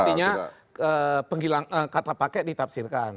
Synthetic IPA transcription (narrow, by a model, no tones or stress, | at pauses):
iɲa̰ | əpəŋilaŋəkat̪apakɛdit̪ap̚sirkan